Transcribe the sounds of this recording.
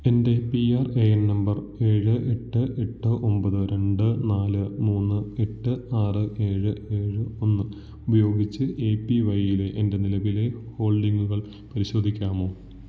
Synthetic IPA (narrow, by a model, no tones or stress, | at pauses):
endepiaːrejɐnnɐmbɐr | e̞ːɻɨʔe̞ʈːɨʔe̞ʈːɨʔo̞mbɐðɨɾe̞ɳɖɨnaːlɨmuːnːɨe̞ʈːɨaːrɨe̞ːɻɨe̞ːɻɨo̞nːɨ | ubɐjo̞ːɡit͡ɕːɨeːpːiʋɐjile̞ʔende̞nilɐʋile̞ho̞ːɭɖiŋɡuɣɐɭ | pɐɾiɕo̞ːd̪ʱikʲːaːmo̞ː